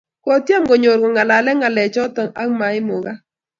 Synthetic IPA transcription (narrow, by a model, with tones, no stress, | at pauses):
kɔ˨tja˦mɡo˨ɲo˨ɾɡɔ˨ŋa˨la˨lɛ˦ŋa˨lɛ˨t͡ʃɔ˦tɔ˨ŋa˦ŋma˨ɪ˦mʊ˨ɣa˦